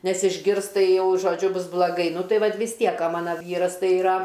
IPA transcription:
ˈnʲɛs ɪʒʲˈɡʲɪrs ˈtɐɪ ˈjɛʊ ʒoːˈd͡ʒʲʊ ˈbʊs blˠɐˈɡɐɪ ˈnʊ ˈtɐɪ ˈʋɐt ʋʲɪs ˈtʲiɛk oː ˈmɑːnɐ ˈʋʲiːrɐs ˈtɐɪ ɪˈrɐ

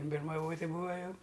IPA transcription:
bʲɪrmɐˈʋoːtʲɪ ˈbuːɐ ˈjɛʊ

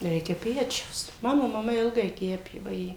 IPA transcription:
ˈrʲɛɪkʲɛ ˈpʲæːt͡ʃʲɛʊs ˈmɑːnoː mɐˈmɐ ˈɪlˠɡɐɪ ˈkʲæːpʲeː ʋɐˈjeː

